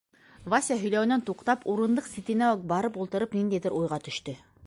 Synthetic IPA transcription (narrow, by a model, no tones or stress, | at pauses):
vasʲaɦɵ̆jlæwɘ̆nænt̪uqt̪ɑpʰuɾɤ̆nd̪ɤqsʲit̪ɘ̆næobɑɾɤpulˠt̪ɤ̆ɾɤpnind̪æjd̪ɘɾʔujʁɑt̪ɵ̆ʃt̪ɵ